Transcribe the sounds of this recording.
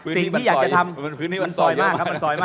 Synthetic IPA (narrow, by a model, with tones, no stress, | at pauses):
si˨˩ŋt̪m˧i˥n˩aː˨˩t͡ɕa˨˩t̪ʰa˧mʰː˧˦˥ma˧nsɔː˧jmaː˥kʰːa˥pma˧sɔː˧jmaː˥